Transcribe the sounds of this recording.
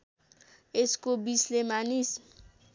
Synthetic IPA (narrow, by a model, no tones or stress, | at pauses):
eskobislemanis